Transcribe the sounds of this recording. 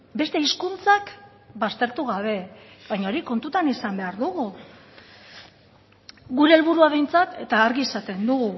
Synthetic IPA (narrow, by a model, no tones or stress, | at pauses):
be̞st̪e̞iskunt͡sak | bast̪e̞ɾt̪uɣaβ̞e̞βajɲaoɾiko̞nt̪ut̪anisambe̞aɾðuɣu | ɣuɾe̞ːlβuɾuaβ̞e̞jnt͡sat̪e̞t̪aːɾɣiesat̪e̞nd̪uɣu